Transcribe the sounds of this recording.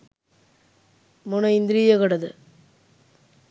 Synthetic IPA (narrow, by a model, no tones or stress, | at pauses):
mʊnɐɪnd̪ɾijɐɣɐɽɐðɯ